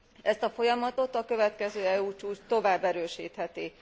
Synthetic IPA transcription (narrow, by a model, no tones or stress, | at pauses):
ɛst̪ɒfo̞jɒmɒt̪o̞t̪ɒkø̞vɛt̪kɛzøːɛuːt͡ʃuːt͡ʃt̪o̞vaːbːɛɾøːʃiːt̪hɛt̪i